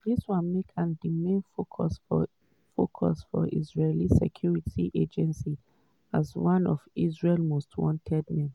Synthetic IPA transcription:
diswãnmekʰãndimẽnfokʰɔsfɔ̰ | fokʰɔ̰sfɔ̰ʔizɹelisɛ̰kʰjuɹitiʔed͡ʒɛ̃nsi | azwãnʔɔvisɹelmostʰwɔ̰̃ntʰɛd̚mɛ̃n

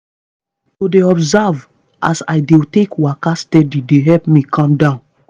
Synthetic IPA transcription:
todeɔbzav | ʔa̰sa̰jdetekwakastɛdideɦɛpmikʰɔ̃mdãʊ̃n

